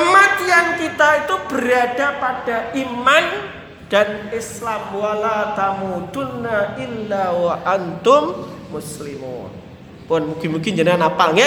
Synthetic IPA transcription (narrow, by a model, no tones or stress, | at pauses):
əmat̪ijankit̪ait̪ub̥əɾaɖ̥a̤pad̥aʔiman | d̥anɪslamualat̪amud̪̥ʊnːaʔɪlːawaʔant̪ʊmːʊslimṵːn | pʊnmuɡimukɪɲd͡ʒənanapaŋɛ